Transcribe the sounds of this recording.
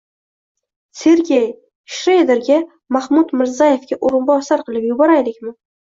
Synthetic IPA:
se̞ɾɡʲej | ʃɾejd̪eɾɡʲa | mahmʊt̪mɪɾzaje̞fɡʲaʔoɾɪnbɒsaɾqɨlˠɪpjʊbɒɾajlɪkʲmɪ

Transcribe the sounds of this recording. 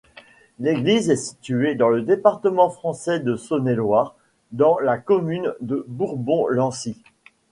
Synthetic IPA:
leɡlizɛsi̥t̪yed̪ɑ̃ləd̪epaʁt̪əmɑ̃fχɑ̃sɛd̪əsɔnelwaːʁ | d̪ɑ̃lakɔmynd̪əbuʁbɔ̃lɑ̃si

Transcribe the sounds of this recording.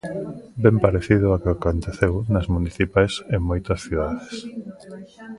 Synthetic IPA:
bempaɾeθiðʊakɪakont̪eθewnɐzmuniθipajseŋmojt̪ɐsθiðaðes

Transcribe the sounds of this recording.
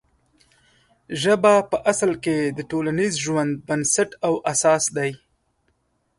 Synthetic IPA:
ʒəbapəʔaslked̪əʈolanizʒwand̪̚bansaʈawʔasɑsd̪aj

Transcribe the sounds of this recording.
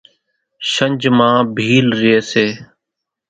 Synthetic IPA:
ʃəɲʲd͡ʒmãːbʱiːlɾɪeːseː

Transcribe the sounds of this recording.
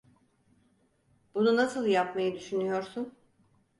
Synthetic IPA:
bununasɯlˠjapmajɯd̪yʃynyjo̞ɾsun

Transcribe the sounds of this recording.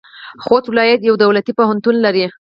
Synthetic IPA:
xot̪wlɑjat̪jawd̪awlat̪ipoɦant̪unlaɾi

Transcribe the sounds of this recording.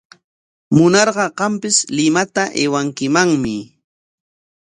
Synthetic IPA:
mʊnɑɾɢɑɢɑmpɪslɪmat̪aʔewaŋkɪmaŋmɪ

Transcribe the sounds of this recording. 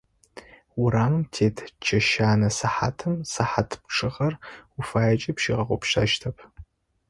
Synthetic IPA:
wʊɾaːmɨmtʰeːtʰt͡ʃʰɐʃaːnɐsɐħa̰tʰɨmsɐħatʰpʈ͡ʂʰɨʁɐrʊfaːjɐt͡ʃʼɐpʃiːʁɐʁʷʊ̰pʃɐ̰ʃtʰɐpʰ

